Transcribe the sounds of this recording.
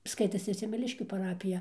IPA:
ˈskɐɪtɐsʲɪ sʲɛmʲɛˈlʲɪʃʲkʲuː pɐˈrɑːpʲɪjɛ

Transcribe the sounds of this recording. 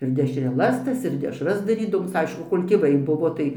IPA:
ɪr dʲɛʃʲrʲɛˈlˠɐs ˈtɐs ɪr dʲɛʃrɐs dɐrʲiːdɐˈʋoːms ˈɐɪʃkʊ ˈkoːlʲ tʲeːˈʋɐɪ ˈbʊʋoː tɐɪ

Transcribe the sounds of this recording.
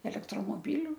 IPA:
ɛlʲɛktroːmoːˈbʲɪlʲʊ

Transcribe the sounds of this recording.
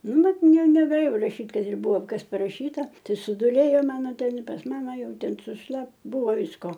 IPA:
ˈnʊ ˈbʲɛt ˈnʲɛ nʲɛɡɐˈlʲeːjɛʊ rɐˈʃʲiːtʲ kɐt ɪr ˈbʊʋoː ˈkɐs pɐˈrɑːʃʲiːtɐ tɨ sʊˈduːlʲeːjoː ˈmɑːnoː ˈtʲɛn pɐs ˈmɑːmɐ ˈjɛʊ ˈtʲɛn sʊʃˈlˠɐp ˈbʊʋoː ˈʋʲɪskoː

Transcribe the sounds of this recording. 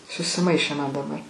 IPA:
sʊsʲɪˈmɐɪʃʲeː mɐn dɐˈbɐr

